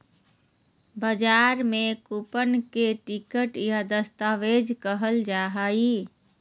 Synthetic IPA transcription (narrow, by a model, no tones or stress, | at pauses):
bəd͡ʒaːɾmẽkupənkeʈikəʈjad̪əst̪aːʋed͡ʒkəɦəld͡ʒaːɦaːi